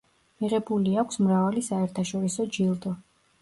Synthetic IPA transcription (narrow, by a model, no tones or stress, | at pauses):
miʁɛbuliakʷʰsmɾavalisaɛɾt̪ʰaʃɔɾisɔd͡ʒilˠd̪ɔ